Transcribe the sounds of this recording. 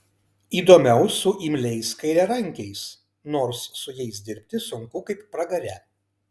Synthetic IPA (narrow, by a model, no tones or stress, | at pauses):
iːd̪oːmʲɛʊsʊʔimʲlʲɛɪskɐɪɾʲɛɾɐŋʲˑkʲɛɪs | noːɾsːʊjɛɪsd̪ʲɪɾʲpʲt̪ʲɪsʊŋkʊkɐɪpːɾɐɡɐɾʲɛ